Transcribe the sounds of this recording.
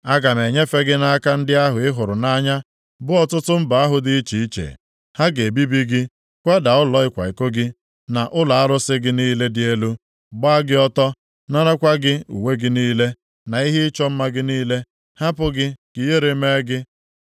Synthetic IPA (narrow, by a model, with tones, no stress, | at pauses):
a˦ɡa˨n˨e˨ɲe˦fe˦ɡɪ˦na˦a˦ka˦n̩˦dɪ˦a˦ɦʊ˨ɪ˦ɦʊ˨ɾʊ˨na˦ɲa˦ | bʊ˦ɔ˦˨tʊ˦tʊ˦m̩˦ba˨a˦ɦʊ˦dɪ˦i˦t͡ʃi˨i˦t͡ʃḛ˨ | ha˦ɡe˨bi˦bi˦ɡɪ˦ | kʷa˦da˨ʊ˦lɔ˨˦ɪ˦kʷa̰˨i˨ko˦ɡɪ˦ | na˨ʔʊ˦la˨a˦ɾʊ˦sɪ˦ɡɪ˦niː˦le˦dɪ˦e˦lu˦ | ɡ͡ba˦a˦ɡɪ˦ɔ˦tɔ˦ | na˦na˦kʷa˦ɡɪ˦ṵ˨we˦ɡɪ˦niː˦le˦ | na˨i˦ɦe˦ɪ˦t͡ʃɔ˦m̩˦ma˦ɡɪ˦niː˦le˦ | ha˦pʊ˦ɡɪ˦ki˨ɦe˦ɾe˨me˦ɡɪ˦